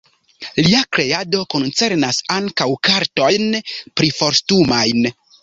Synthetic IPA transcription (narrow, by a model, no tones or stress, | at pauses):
liakɾe̞ado̞ko̞nt͡se̞ɾnasaŋkawkaɾto̞jnpɾifo̞ɾstumajn